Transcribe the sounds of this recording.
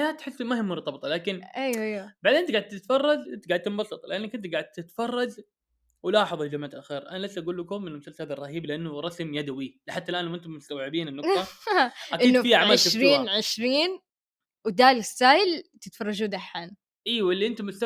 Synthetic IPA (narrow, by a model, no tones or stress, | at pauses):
jaːt̪ħɪsːmahɪmːʊɾˤt̪ˤɑbt̪ˤɑlaːkɪnʔejwejwabaʕd̪ʔɪnt̪aɡaʕd̪̚t̪ɪt̪fɑrˤːɑzʔɪnt̪ɡaʕd̪̚t̪ɪmbɑsˤɨt̪ˤlɪʔanːakʔɪnt̪ɡaʕd̪̚t̪ɪt̪fɑrˤːɑz | wɪlɑːħɑðˤld͡ʒamaːt̪ʔaxiːɾʔanalɪsːʔaɡuːlːɪkʊmɪnːlmʊsalshadðɑrˤɑhiːblɪʔanːʊɾˤɑsmjad̪awilɪħat̪ːalʔaːnːamʔɪnt̪ʊmːʊst̪awʕɪbiːnɪnːʊˤɑakɪidnːʊfiaʕaːlʃɾiːnʕɪʃɾiːn | wd̪aːlɪsːaːjɪlt̪ɪt̪fɑrˤːɑʒuːd̪aħaːn | ʔiːwɪlːiʔɪnt̪amʊst̪